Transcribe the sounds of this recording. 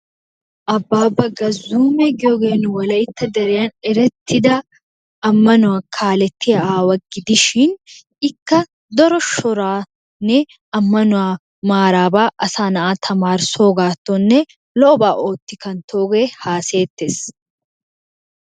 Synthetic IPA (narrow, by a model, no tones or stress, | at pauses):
ʔɐbːaːbːɐɡɐzuːmɛɡɪoɡeːnʊwɐlɐɪt̪ːɐd̪ɐɾɛjaːnɛɾɛt̪ʰːɪd̪ɐ | ʔɐmːɐnʊakʰaːlɛt̪ːɪjɐʔaːwɐɡɪd̪ɪʃin | ɪkːɐ | d̪ɔɾɔʃɔɾaː | nːɛ | ɐmːɐnʊa | maːɾaːbaːʔɐsaːnɐʔaːt̪ʰɐmaːɾsoːɡaːt̪ːonːɛ | lɔbaːʔoːt̪ːɪkɐnt̪ʰoːɡeːhaːseːt̪ːɛs